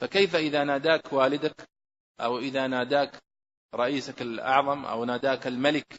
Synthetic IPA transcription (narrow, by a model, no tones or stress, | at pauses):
fakejfaʔɪðanaːd̪aːkwaːlɪd̪ak | ʔawʔɪðanaːd̪aːk | ɾˤɑʔiːsakalʔɑ̰ʕðˤɑmʔa̰wnaːd̪aːkɪlmalɪk